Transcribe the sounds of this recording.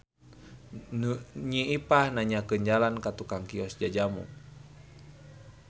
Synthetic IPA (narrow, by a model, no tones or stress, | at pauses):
ɲiʔipahnaɲakənd͡ʒalankat̪ukaŋkiɔsd͡ʒad͡ʒamṵ